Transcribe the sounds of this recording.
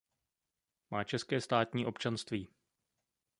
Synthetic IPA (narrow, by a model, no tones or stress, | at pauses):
maːt͡ʃɛskɛːst̪aːt̪ɲiːʔo̞pt͡ʃanst̪viː